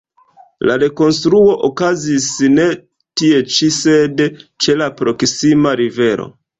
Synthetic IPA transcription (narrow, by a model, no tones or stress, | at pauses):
laɾe̞ko̞nstɾuo̞ʔokazisne̞ | tie̞t͡ʃise̞dt͡ʃe̞lapɾo̞ksimaɾive̞ɾo̞̰